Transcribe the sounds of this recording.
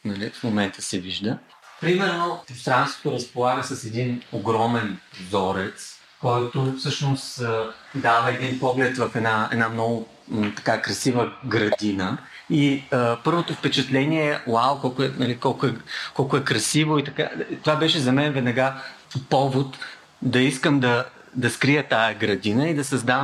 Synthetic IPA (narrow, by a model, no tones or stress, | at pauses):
nɐlifmomɛnt̪ʰə̥sɛviʒd̪ə | pɾimɛɾnost̪ɾanst̪vo̥t̪oɾɐspolˠaɡəsɐsɛd̪inoɡɾɔmɛnzɔɾɛt̪s | kɔjt̪ofsɤʃnos | d̪avəɛd̪inpɔɡlɛt̪vɐfɛd̪naɛ̰d̪namnɔɡʊ | t̪ɐ̥kakɾɐsivəɡɾɐd̪inə | iəpɤɾvot̪ofpɛt͡ʃɛt̪lɛniɛɛwawkɔlˠkʊɛnɐlikɔlˠkʊɛkɔlˠkʊɛkɾɐsivʊit̪ɐka̰t̪ovabɛʃɛzɐmɛnvɛd̪nɐɡa | pɔvot̪ | d̪ɐiskəmd̪ɐ | d̪ɐskɾijət̪ajɐɡɾɐd̪inəid̪ɐsɐzd̪av